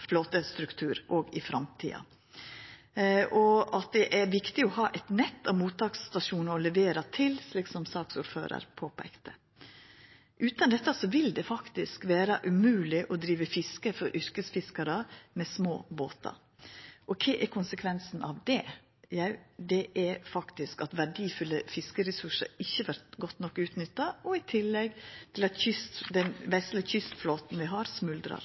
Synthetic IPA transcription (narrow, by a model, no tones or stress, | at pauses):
floːt̪əst̪ɾʉkt̪ʰʉːɾʔoːɡɪfɾɑmt̪ʰḭːɑ̰ | ʔɔɑt̪̚d̪ɛʔæɾʋɪkt̪ɪɔhɑːʔɛɪt̪nɛt̪ːɑʋmuːt̪ʰːɑːkst̪ɑʂuːnɑɔlɛʋeːɾɑt̪ʰɪlsliːksɔmsɑːksʊɾfø̰ːɾə̰ɾpʰoːpʰæ̰ɪkt̪ə | ʔʉːt̪ɑnd̪ɛt̪ːɑsɔʋɪld̪ɛfɑkt̪ɪskʋæːɾɑʔʉmʉːlɪʔɔd̪ɾiːʋəfɪskəfɔɾʔʏɾkəsfɪskɑɾəmɛsmo̰ːbo̰ːt̪ʰɑ̰ | ʔɔkʰɛʔɛɾkʰʊnsəkʰʋɛnsnʔɑʋd̪ɛ | jæɪd̪ɛʔɛɾfɑkt̪ɪskɑt̪ʋæɖiːfʉlːəfɪskəɾɛsʉʂə̰ɾɪçːəʋæɾt̪ɡɔt̪ːnɔkːʉːt̪nʏt̪ːɑɔɪt̪ʰɪlːɛɡt̪ʰɪlɑt̪çʏst̪d̪ɛnʋɛsləçʏst̪floːt̪nʋɪɦɑɾsmʉld̪ɾɑ̰ɾ